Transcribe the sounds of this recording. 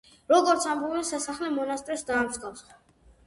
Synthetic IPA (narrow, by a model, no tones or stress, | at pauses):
ɾɔɡɔɾt̪sʰambɔbɛsasaχlɛmɔnast̪ʼɾɛsd̪aːmsɡafsχɔ